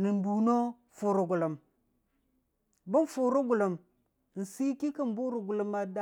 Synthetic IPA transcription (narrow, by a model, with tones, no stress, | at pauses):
ni˨n˨bu˨no˦ | fu˨ɾo˨ɡu˨lo˨m | ba˦n˦fu˨ɾo˦ɡu˨lo˨m | n̩˨si˦ki˦kə˦m˦bu˦ɾo˨ɡu˨lo˨ma˦d